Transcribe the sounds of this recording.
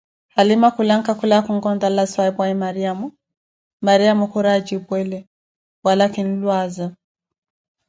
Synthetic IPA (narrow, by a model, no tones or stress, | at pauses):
halimakulaŋkakulakuŋɡɔndalaswaɛbwaimaɾiamu | maɾiamɔkuɾad͡ʒibwɛlɛ | walakin̩lwaza